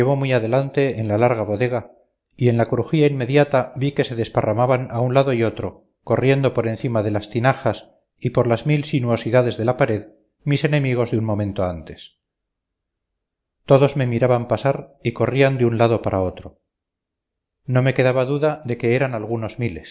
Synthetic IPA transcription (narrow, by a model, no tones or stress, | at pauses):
eβ̞o̞miaðe̞lant̪e̞ːnlalaɾɣaβo̞ðe̞ɣ̞a | ie̞nlakɾuxiainme̞ðjat̪aβike̞se̞ðe̞sparamaβanaunlaðoiot̪ɾo̞ | ko̞rje̞nd̪opoɾẽ̞nθimaðe̞last̪inaxas | ipo̞ɾlazmilsinuo̞siðaðe̞zðe̞lapaɾe̞ð | mise̞ne̞miɣ̞o̞zðeunmo̞mẽ̞nt̪oant̪e̞s | t̪o̞ðo̞zme̞miɾaβampasaɾiko̞riand̪eunlaðo̞paɾʔaot̪ɾo | no̞me̞ke̞ðaβaðuðaðe̞ke̞eɾanalɣuno̞zmile̞s